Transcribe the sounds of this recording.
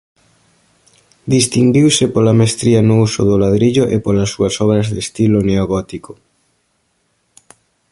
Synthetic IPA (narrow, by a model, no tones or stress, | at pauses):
d̪ist̪iŋɡiwsɪpolamest̪ɾianousʊðolaðɾiʎoʔepolasːuɐsɔβ̞ɾɐzðest̪iloneoɣɔt̪iko̥